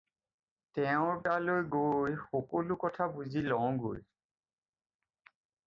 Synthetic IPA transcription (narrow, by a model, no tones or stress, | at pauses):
tɛʊ̃ɹpalojɡojxɔkolukɔtʰabuzilɔ̃ʊ̃ɡo̰j